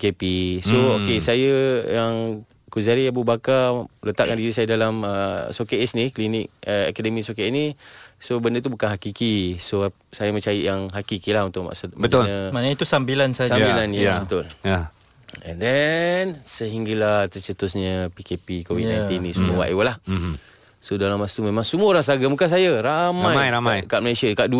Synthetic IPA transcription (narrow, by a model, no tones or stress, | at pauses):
pkepisookesajəjaŋ | kuzaɾiabubakalət̪a̰ʔ̚kandiɾisajədalaməsokeɛsniklinik̚əa̰kadəmisokeɛsnisobəndət̪ubukanɦakikiso | sajəmət͡ʃajiʔjaŋɦakikilaɦunt̪ʊʔma̰ʔsəbəʊləmanit̪usambilansasaabilanjaabət̪ʊlja | ɛ̰ndɛnsəɦiŋɡalaht̪ərt͡ʃət̪ʊsɲəpikepikowinajnt̪inĩsumuəwa̰ʔewəlah | sodalamast̪umemãŋsumuəoɾaŋsəaɡamukans̬ajaɾamãjaajkaʔməlesiakaʔdu